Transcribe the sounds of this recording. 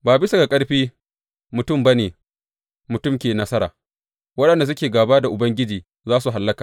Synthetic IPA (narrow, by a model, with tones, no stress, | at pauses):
baː˨bɪ˦sa˨ɡa˨kʼɐ˦ɽɸiː˦ | mʊ˨tʊ˦˨mba˦neː˨ | mʊ˨tʊ˦mkʲeː˨nɐ˦sɐ˦ɾa̰ː˨ | wɐ˦ɗɐ˨nda˨s̬ʊ˦kʲeː˨ɡaː˨baː˦da˨ʔʊ˨bɐ˦ŋɡʲɪ˦d͡ʒiː˨ | zaː˦su˨ɦa˨lːɐ˦kaː˨